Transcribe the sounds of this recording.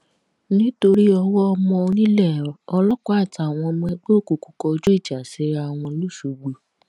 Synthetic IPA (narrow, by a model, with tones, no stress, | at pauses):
nĩ˦to˧ɾi˦ɔ˧wɔ˦ɔ˧mɔ̃˧o˧nĩ˦lɛ˦˨ɔ˧lɔ˦kɔ˦a˦˨ta˨˧˨w̃ɔ̃˧mũ˧ɛ˧ɡ͡bo˦˨ku˨ku˧˦kɔ˧d͡ʒu˦i˦˨d͡ʒa˨se˨˦ɾa˧˨w̃ɔ̃˧lu˦˨ʃu˨ɡ͡bo˨